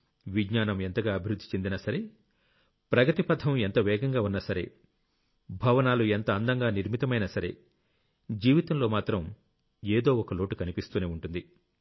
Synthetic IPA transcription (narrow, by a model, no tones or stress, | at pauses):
ʋiɡɲaːnɐme̞nt̪ɐɡaːɐbʱiɾud̪ʱːi̥t͡ʃe̞nd̪inɐsɐɾe̞ | pɾɐɡɐt̪ipɐd̪ʱʰɐment̪ɐʋɛːɡɐŋɡaːunːɐsɐɾe̞̰ | bʱɐʋɐnaːluent̪ɐɐnd̪ɐŋɡaːniɾmit̪ɐmɐjnɐsɐɾe̞̰ | d͡ʒiːʋit̪ɐmlo̞ːmaːt̪ɾɐm | eːd̪o̞ːɔkɐlo̞ːʈukɐnipist̪uːneːuɳʈund̪i